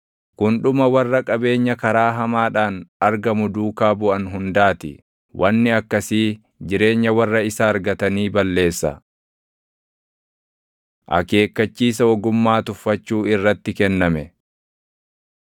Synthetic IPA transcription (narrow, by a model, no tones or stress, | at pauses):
kʊnᶑʊmɐwɐrːɐkʼɐbe̞ːɲːɐkɐɾaːɦɐmaːᶑaːnɐɾɡɐmʊd̪uːkaːbʊʔɐnɦʊnd̪aːt̪ɪ̰ | wʔɐnːɪɐkːɐsiː | d͡ʒɪɾe̞ːɲːɐwɐrːɐɪsaːɾɡɐt̪ɐniːbɐlːe̞ːsːɐ̰ | ʔɐ̰ke̞ːkːɐt͡ʃːiːs̬ɐɔɡʊmːaːt̪ʊfːɐt͡ʃːuːɪrːɐt̪ːɪkɛnːɐmɛ